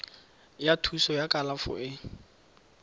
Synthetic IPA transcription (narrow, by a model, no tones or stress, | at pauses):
jatʰusɔjakʼalafʊ̰ʔɪ